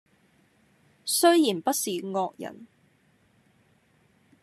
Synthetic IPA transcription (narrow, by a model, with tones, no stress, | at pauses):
sɵ˥ɥjiː˨˩npɐ˥t̚siː˨ŋɔː˧k̚jɐ̰˨˩n